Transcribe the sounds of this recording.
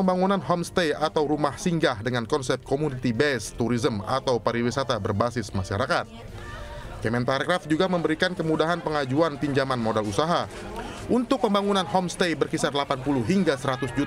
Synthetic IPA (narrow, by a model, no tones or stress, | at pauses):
əmbaŋunanɦɔmst̪ejat̪awɾumahsiŋɡahdəŋankɔnsɛp̚t̪̚komunit̪ibɛst̪uɾizəma̰t̪awpaɾiwisat̪abərbasɪsmaʃaɾakat̪̚ | kɛmɛnt̪arkɾafd͡ʒuɡaməmbəɾikankəmudaɦanpəŋad͡ʒuanpiɲd͡ʒamanmodalusaɦa | ʔunt̪ʊk̚pəmbaŋunanɦɔmst̪ejbərkisarlapanpulʊhɦiŋɡasəɾat̪ʊsd͡ʒut̪